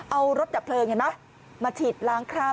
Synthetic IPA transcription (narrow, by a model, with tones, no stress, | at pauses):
ʔa˧wɾo˦˥t̪̚t͡ɕa˨˩pʰlɤː˧ŋa˧˩ma˦˥ | maː˧t͡ɕʰi˨˩t̪̚laː˦˥ŋkʰɾaː˥˩